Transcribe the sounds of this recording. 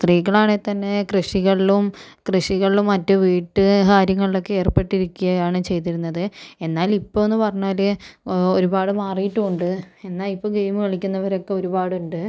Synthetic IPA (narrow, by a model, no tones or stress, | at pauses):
st̪riːɣɐɭaːɳet̪ɐnːe̞krɨʂiɣɐɭilumkrɨʂiɣɐɭilumːɐtːɨʋiːʈːɨkaːɾjɐŋːɐɭilo̞kːee̞ːrpe̞ʈːiɾikʲːujɐjaːɳɨt͡ɕe̞jt̪̬iɾunːɐðɨe̞nːaːlipːoːenːɨpɐrɐɲːaːleo̞ɾubaːɽɨmaːrijitːuuɳɖɨe̞nːaːlipːoːɡe̞jmɨkɐɭikʲːunːɐʋɐɾo̞kːe̞o̞ɾubaːɽuɳɖɨ